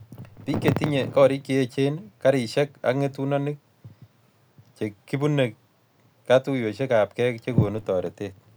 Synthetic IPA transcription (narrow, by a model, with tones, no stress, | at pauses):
ti˦kːe˨ti˦ɲe˨kɔ˦ɾi˦kːe˦e˦t͡ʃe˦nka˦ɾɪ˨ʃɛ˦ka̰˨k̚ŋe˦tu˦nɔ˦nɪ˦k̚ | t͡ʃe˨kːi˦bu˦ne˨kː | a˦tu˦jo˨ʃe˦ka˨p̚kɛ˦kt͡ʃe˦ko˨nu˦tɔ˨ɾe˨te˦t̚